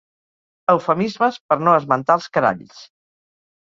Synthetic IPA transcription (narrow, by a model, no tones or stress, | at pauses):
əwfəmizməspəɾnoəzmənt̪alˠskəɾa̰ʎs